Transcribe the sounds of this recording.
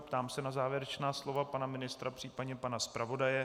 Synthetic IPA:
pt̪aːmsɛnazaːvjɛɾɛt͡ʃnaːslo̞vapanamɪnɪst̪ɾapr̥iːpadɲɛpanaspɾʔavo̞dajɛ

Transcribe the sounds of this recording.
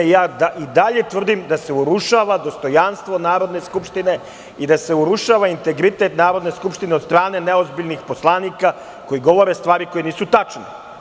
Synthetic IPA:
jaːd̪aʔid̪aʎe̞t̪ʋr̩d̪imd̪ase̞uɾuʃaːʋad̪o̞st̪o̞janst̪ʋo̞naːɾo̞d̪ne̞skupʃt̪ine̞ | id̪ase̞uɾuʃaːʋaint̪e̞ɡɾit̪e̞t̪naːɾo̞d̪ne̞skupʃt̪inet̪st̪ɾaːne̞neo̞zbiʎnixpo̞slˠaːniːka | ko̞jiɡo̞ʋo̞ɾe̞st̪ʋaːɾiko̞jeniːsut̪at͡ʃni

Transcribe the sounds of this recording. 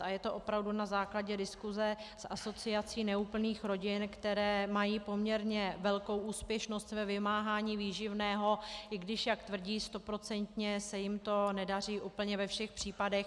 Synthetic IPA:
ʔajɛt̪o̞ʔo̞pɾavdunazaːklaɟɛdɪskuzɛsʔa̰so̞t͡sɪat͡siːnɛuːpl̩niːxɾo̞ɟɪnkt̪ɛɾɛːmajiːpo̞mɲɛɾɲɛvɛlko̞wʔuːspjɛʃno̞st̪vɛvɪmaːɦaːɲiːviːʒɪvnɛːɦo̞ʔɪɡdɪʃjakt̪vr̩ɟiːst̪o̞pɾo̞t͡sɛnt̪ɲɛsɛjɪmt̪o̞nɛdar̝iːʔuːpl̩ɲɛvɛfʃɛxpr̝̥iːpadɛx

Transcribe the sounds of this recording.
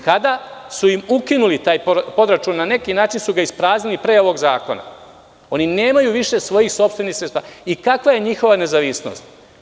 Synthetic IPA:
kad̪asuimukinulit̪aːjpo̞d̪ɾat͡ʃuːnːane̞kinaːt͡ʃinsuɡaispɾaːznilipɾe̞ːo̞ʋo̞ɡzaːkona̰ | o̞nine̞ːmajuʋiʃe̞sʋo̞jixso̞pst̪ʋe̞nixsɾet̪aaikakʋaje̞ɲixo̞ʋane̞zaʋisno̰st̪

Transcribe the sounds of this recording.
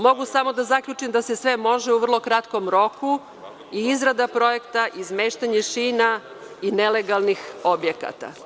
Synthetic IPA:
mo̞ɡusamo̞d̪azakʎut͡ʂimd̪ase̞sʋe̞mo̞ʒeuʋr̩lˠo̞kɾat̪ko̞mɾo̞ku | iizɾad̪apɾo̞je̞kt̪aʔizmeːʃt̪aɲeʃiːna | ineleɡalˠnixo̞bjeka̰t̪a̰

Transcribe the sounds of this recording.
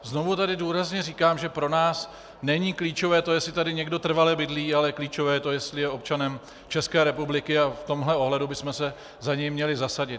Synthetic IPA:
zno̞vut̪adɪduːɾazɲɛriːkaːmʒɛpɾo̞naːs | nɛɲiːkliːt͡ʃo̞vɛːt̪o̞jɛsɪt̪adɪɲɛɡdo̞t̪r̩valɛbɪdliːalɛkliːt͡ʃo̞vɛːt̪ojɛst̪lɪjɛo̞pt͡ʃanɛm | t͡ʃɛskɛːɾɛpublɪkɪaft̪o̞mɦlɛo̞ɦlɛdubɪsmɛsɛ | zaɲɛjmɲɛlɪzasaɟɪt̪

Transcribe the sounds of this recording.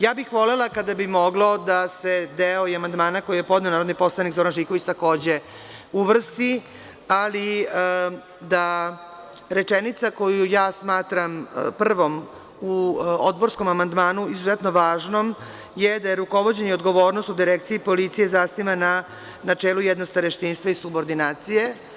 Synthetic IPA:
jaːbixʋo̞lelakad̪abimo̞ɡlˠod̪ase̞d̪eoiamand̪maːnako̞jijepo̞d̪nenaːɾod̪nipo̞slˠanikzo̞ɾanʒikoʋit͡ɕt̪ako̞ːd͡ʑe̞ | uʋr̩st̪i | ali | d̪a | ɾet͡ʂenit̪sako̞jujaːsmaːt̪ɾampr̩ʋo̞m | uod̪̚bo̞ɾsko̞mamand̪maːnuizuzet̪no̞ʋaːʒno̞m | jed̪ajeɾuko̞ʋo̞d͡ʑeɲeo̞d̪ɡo̞ʋo̞ːɾno̞st̪ud̪iɾekt̪sijipo̞lit̪sije̞zasnimana | nat͡ʂeːlujɛd̪nost̪aɾeʃt̪inst̪ʋaisubo̞ɾd̪inaːt̪sije̞

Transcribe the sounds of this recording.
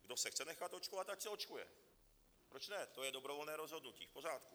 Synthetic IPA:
ɡdosɛxt͡sɛnɛxat̪o̞t͡ʃkovat̪acsɛo̞t͡ʃkujɛ̰ | pɾot͡ʃnɛt̪o̞jɛdobɾovolnɛːɾozɦo̞d̪nucḭːfpo̞raːt̪ku

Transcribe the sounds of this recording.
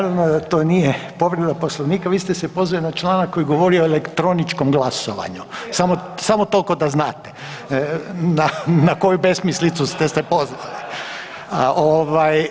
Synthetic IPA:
naɾaʋnod̪at̪o̞ːnijepo̞ʋɾed̪apo̞slˠoʋniːkaʋiːst̪esepo̞zʋalinat͡ʃlˠaːnakːo̞jiɡo̞ʋo̞ɾioelekt̪ɾo̞nit͡ʃkomɡlasoʋa̰ɲusamosamot̪o̞lko̞d̪aznaːt̪e̥ | nanako̞jube̞smislit̪sust̪est̪epo̞zʋali | ʔoʋaj

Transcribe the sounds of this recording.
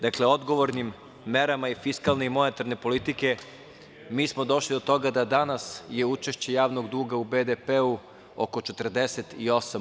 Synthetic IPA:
d̪akle̞o̞d̪ɡo̞ʋo̞ɾnimː | eɾamaifiskalˠneimo̞ne̞t̪aɾne̞po̞lit̪ike̞ | miːsmo̞d̪o̞ʃlid̪o̞t̪o̞ɡad̪ad̪anasje̞ut͡ʃe̞ʃt͡ɕe̞jaːʋno̞ɡd̪uːɡaubed̪epeu | o̰ko̞t͡ʃet̪r̩d̪eset̪io̞sam

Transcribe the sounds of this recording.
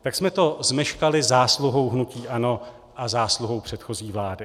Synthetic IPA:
t̪aksmɛt̪o̞zmɛʃkalɪzaːsluɦo̞wɦnuciːʔano̞ | ʔazaːsluɦo̞wpr̝̥ɛt̪xo̞ziːvlaːdɪ

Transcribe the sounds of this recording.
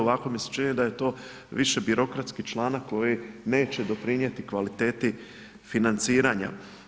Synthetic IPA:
oʋako̞mise̥t͡ʃinid̪aje̞t̪o̞ː | ʋiʃe̞biɾo̞kɾat̪skit͡ʃlˠaːnakːo̞jine̞ːt͡ɕe̞d̪o̞pɾiɲe̞t̪ikʋalit̪e̞ːt̪i | finant̪siːɾaɲa̰

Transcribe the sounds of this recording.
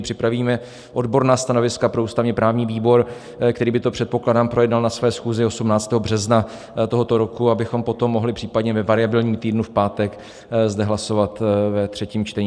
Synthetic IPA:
pr̥ɪpɾaviːmɛ | ʔo̞dbo̞ɾnaːst̪ano̞vɪskapɾo̞uːst̪avɲɛpɾaːvɲiːviːbo̞ɾ | kt̪ɛɾiːbɪt̪o̞pr̝̥ɛt̪̚po̞kladaːmpɾo̞jɛdnalnasvɛːsxuːzɪo̞sumnaːt͡st̪ɛːɦo̞br̝ɛzna | t̪o̞ɦo̞t̪o̞ɾo̞kuabɪxo̞mpo̞t̪o̞mːo̞ɦlɪr̝̥iːpadɲɛvɛvaɾɪabɪlɲiːmt̪iːdnufpaːt̪ɛk | zdɛɦlaso̞vat̪vɛt̪r̥ɛciːmt͡ʃt̪ɛɲ

